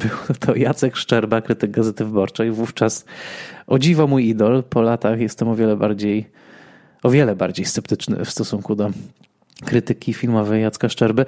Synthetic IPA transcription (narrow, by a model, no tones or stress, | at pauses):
b̥ɘwt̪ʰɔjat̪sɛkʂt͡ʂɛɾbakɾɘt̪ɘɡ̚ɡazɛt̪ɘvɘbɔɾt͡ʂɛjvuft͡ʂasʔɔd͡ʑivamujid̪ɔlpʰɔlat̪axjɛst̪ɛmɔvʲjɛlɛbaɾd͡ʑej | ɔvʲjɛlɛba̰ɾd͡ʑejst̪sɛp̚t̪ɘt͡ʂnɘ̰fst̪ɔsuŋkud̪ɔ | kɾɘt̪ɘkʲifʲilmɔvɛjat̪skaʂt͡ʂɛɾbɘ